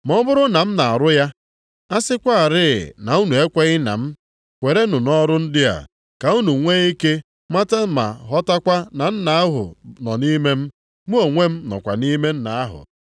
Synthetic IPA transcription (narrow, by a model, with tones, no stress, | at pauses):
mɔ˦bʊ˦ɾʊ˦na˨m̩˦na˨a˨ɾʊ˦ja˦ | a˦sɪ˦kʷa˦a˨ɾɪ˦˨na˨u˦nu˨e˦kʷe˦ɣɪ˦na̰˨m̩˦ | kʷe˨ɾe˦nʊ˨nɔ˦ɾʊ˦n̩˦dɪ˦a̰˨ | ka˨u˦nu˨ŋʷe˦i˦ke˦ | ma˦ta˦ma̰˨ɦɔ˦ta˦kʷa˦na˨n̩˦na˨a˦ɦʊ̰˨nɔ˨ni˦me˦m̩˦ | mu˦o˨ŋʷe˦m̩˦nɔ̰˨kʷa̰˨ni˦me˦n̩˦na˨a˦ɦʊ̰˨